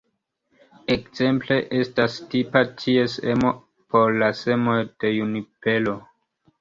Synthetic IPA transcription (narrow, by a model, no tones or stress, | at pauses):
ekz̥e̞mple̞ʔe̞stastipatʰie̞sḛmo̞ | pʰo̞ɾlase̞mo̞jd̥e̞junipe̞lo̞